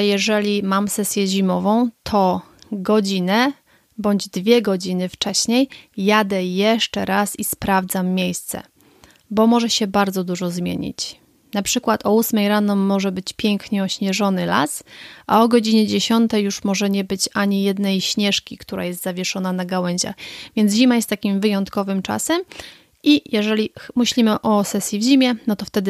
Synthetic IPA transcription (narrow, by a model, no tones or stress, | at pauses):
jɛʐɛlʲimamsɛsʲjɛʑimɔvɔ̃w̃t̪ʰɔɡɔd͡ʑinɛ | bɔɲd͡ʑd̪vʲjɛɡɔd͡ʑinɘft͡ʂɛɕɲejːad̪ɛjɛʂt͡ʂɛɾasispɾavd̪zamːʲejst̪sɛ̰ | bɔmɔʐɛɕɛbaɾd̪zɔd̪uʐɔzmʲjḛɲḭt͡ɕ | napʂɘkwat̪ʰɔusmɛjɾanɔmːɔʐɛbɘt͡ɕpʲjɛŋkɲɛɔɕɲɛʐɔnɘla̰sʔa̰ɔɡɔd͡ʑiɲɛd͡ʑeɕɔnt̪ɛjːuʂmɔʐɛɲɛbɘt͡ɕaɲijɛd̪nɛjɕɲɛʂkʲikt̪uɾa̰jɛst̪zavʲjɛʂɔnanaɡawɛɲʑa̰xvʲjɛnzʑimajɛst̪ːakʲimvɘjɔnt̪kɔvɘmt͡ʂa̰sɛm | ʔijɛʐɛlʲimɘɕlʲimɘʔɔsɛsʲjivʑimʲjɛnɔt̪ɔft̪ɛd̪ɘ